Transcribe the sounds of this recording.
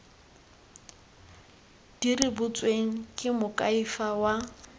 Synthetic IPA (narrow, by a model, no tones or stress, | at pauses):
d̥irɪbʊt͡sʼweŋ̩kʼɪmʊkʼaifawa